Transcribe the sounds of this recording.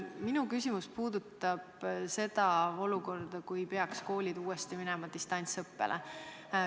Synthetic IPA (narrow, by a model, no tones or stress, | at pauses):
minukysʲimuspuːd̪̥ut̪ːˑɑb̥se̞d̪̥ɑo̞luko̞rd̪ɑkujpe̞ɑksko̞ːlʲid̪uːest̪iminɛmɑd̪̥ist̪ɑnʲt̪sɤpːḛlʔḛ